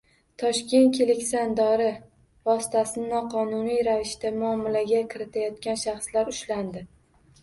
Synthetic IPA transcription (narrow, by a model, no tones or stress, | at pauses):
t̪ʰɒʃkʲe̞nt̪̚kʲʰelɪkʲsand̪ɒɾɪ | vɒsɪ̥t̪ʰasɪnɪnɒqʰɒnʊnijɾavɪʃt̪amʊɒmːɪlaɡʲakʲʰɪɾɪt̪ʰajɒt̪̚kʲanʃaχslaɾʊʃland̪ɪ